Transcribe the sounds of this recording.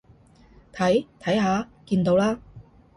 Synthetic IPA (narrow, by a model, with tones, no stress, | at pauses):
t̪ʰɐ˨˥jt̪ʰɐ˨˥jɦaː˨˥kiː˧nt̪o˨˧wlaː˥